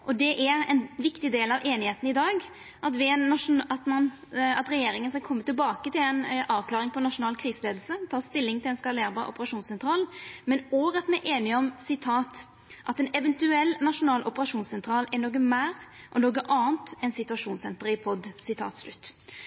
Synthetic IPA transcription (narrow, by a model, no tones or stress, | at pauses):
ʔɔd̪ɛʔæɾɛ̰nʋɪkt̪ɪd̪eːlɑʋeːnɪheːt̪n̩ɪd̪ɑːɡ | ʔɑt̪ʋɪɛnːɑʂʊnɑt̪mɑn | ɑt̪ɾɛjeːɾɪŋənskɑkʰɔmːət̪ɪlbɑːkət̪ɪlɛnɑːʋklɑːɾɪŋpʰɔnɑʂʊnɑːlkʰɾiːsəleːd̪lsət̪ʰɑːst̪ɪlːɪŋɪlɛnskɑleːɾbɑʔɔ̰pəɾɑʂuːnsɛnt̪ʰɾɑːlmɛnoːɡɑt̪mɛʔeːnɪɔmsɪt̪ʰɑːt̪ | ʔɑt̪ɛnɛʋɛnt̪ʉɛlːnɑʂʊnɑːlʔʊpəɾɑʂuːnsɛnt̪ʰɾɑːlɛnoːɡəmæːɾʔɔnoːɡəʔɑːənt̪ɛnsɪt̪ʉɑʂuːnsɛnt̪əɾɪpʰɔd̪sɪt̪ʰɑ̰ːt̪slʉt̪ː